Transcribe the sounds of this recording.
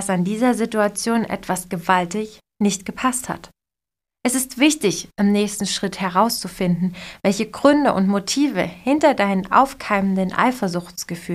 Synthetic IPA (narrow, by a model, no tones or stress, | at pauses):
d̥asandiːzɐzituat͡sjoːnʔɛ̰tv̥asɡ̥əvaltɪç | nɪçtɡ̥əpʰastha̰t | ʔɛsɪstv̥ɪçtɪçʔɪmnɛːçstn̩ʃʁ̥ɪthɛʁaʊst͡sufɪndn̩vɛlçəɡʁʏndəʔʊ̰ntmotʰiːvə̰hɪntɐdaɪnənʔa̰ʊfkʰaɪməndənʔa̰ɪfɐzʊçt͡sɡ̥əfyː